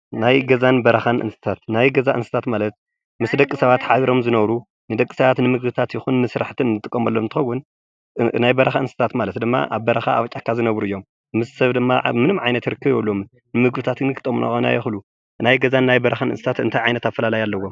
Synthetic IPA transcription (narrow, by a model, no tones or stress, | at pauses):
najɡɐzanbɐɾɐxanʔɨ̰nsɨ̥t̪ʰat̪najɡɐzaʔɨnsɨ̥t̪ʰat̪malɐt̪̚ | mɨsd̪ɐkʼisɐβat̪ħaβiɾo̞mzɨnɐβɾu | nɨd̪ɐkʼːi̥sɐβat̪nɨmɨɡbɨt̪ʰat̪jɪxunmɨsɾaħt̪ʰɨnɨnːɨt̪ʼɨkʼːɐmɐlːomɨnt̪ɨ̥xɐwːun | najbɐɾɐxaɨnsɨ̥t̪ʰat̪malɐt̪d̪ɨmːa̰ʔa̰βbɐɾɐxa̰ːβt͡ʃʼakːazɨnɐβɾuɨjːo̞mː | ɨssɐβd̪ɨmːamɨnɨmʕajnɐt̪ɨɾɨkʰːɨβɐlːom | nɨmɨɡbɨt̪ʰat̪ɨnɨkʰɨt̪ʼɐmunʔa̰ona̰jɐxlu | najɡɐzanːajbɐɾɐxanɨnsɨt̪ʰat̪ɨ̰nt̪ʰajʕajnɐt̪afɐlalajalːɐwːo̞m